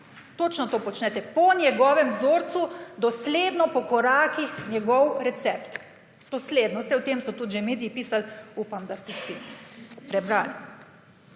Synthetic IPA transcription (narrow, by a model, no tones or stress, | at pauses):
t̪ot͡ʃnɔt̪opɔt͡ʃnɛt̪ɛpɔnjɛɡɔːʋɛmzoːɾt̪sud̪ɔsleːd̪nɔpɔkɔɾaːkixnʲjɛɡɔwɾɛt̪sɛpt̪ | d̪̥ɔsled̪nɔwsɛʊt̪eːmsɔt̪ut̪ʒemeːd̪ijipiːsalupamd̪ast̪ɛsipɾɛbɾaːl